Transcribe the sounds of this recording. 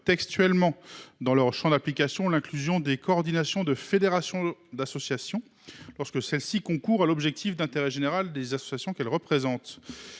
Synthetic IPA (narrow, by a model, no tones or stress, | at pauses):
t̪ɛkst̪ɥɛlmɑ̃d̪ɑ̃lœʁʃɑ̃d̪aplikasjɔ̃lɛ̃klyzjɔ̃d̪ekɔːʁd̪inasjɔ̃d̪əfed̪eʁasjɔ̃d̪asɔsjasjɔ̃ | lɔʁskəsɛlsikɔ̃kuʁalɔbʒɛk̚t̪ʰifd̪ɛ̃t̪eʁɛʒeneʁald̪ezasɔ̥sjasjɔ̃kɛlʁəpχezɑ̃t̪